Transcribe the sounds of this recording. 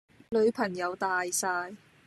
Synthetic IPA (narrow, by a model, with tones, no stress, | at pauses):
lɵ˨˧ɥpʰɐ˨˩ŋjɐ˨˧wt̪aː˨˧jsaː˧j